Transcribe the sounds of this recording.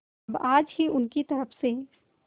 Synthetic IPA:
baːd͡ʒɦiʔʊnkit̪ɐɾəfʰse

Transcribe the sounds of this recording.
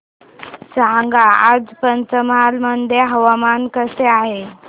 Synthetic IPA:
sãŋɡaad͡zpənt͡səmalməd̪ʱjeɦəʋamankəseaɦe

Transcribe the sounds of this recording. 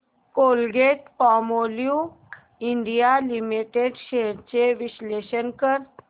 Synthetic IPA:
kolɡeʈpɔmolju | iɳɖijalimiʈeɖɕeɽt͡ɕeʋiɕleɕənkəɾ

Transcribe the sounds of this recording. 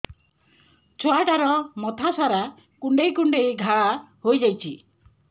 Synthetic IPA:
t͡ʃʰoaʈaɾɔmɔt̪ʰasaɾa | kuɳɖejkuɳɖejɡʱaɭahojd͡ʒajt͡ʃʰi

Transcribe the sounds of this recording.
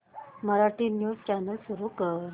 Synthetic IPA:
məɾaʈiːnjuːst͡ɕanəlsuɾukəɾ

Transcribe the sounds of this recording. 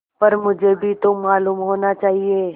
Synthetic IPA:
pɐɾmʊd͡ʒʱebʱit̪omaːluːmɦoːnat͡ʃaːɦieː

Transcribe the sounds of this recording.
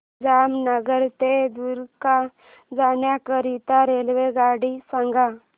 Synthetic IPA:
d͡zamnəɡəɾt̪ed̪uɾka | d͡zanjakəɾit̪aɾelʋeɡaɽisãŋɡa

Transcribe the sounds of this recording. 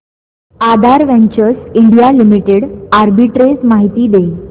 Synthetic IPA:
ad̪ʱaɾʋẽɲt͡ɕəɾsiɳɖijalimiʈeɽaɾbiʈɾesmaɦit̪iːd̪e

